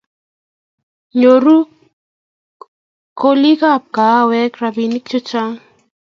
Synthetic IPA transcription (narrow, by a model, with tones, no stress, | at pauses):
ɲo˨ɾu˦ | ko˦li˦ka˦˨p̚ka˨˦wɛ˦krabi˨ni˦kt͡ʃo˦t͡ʃa˦ŋ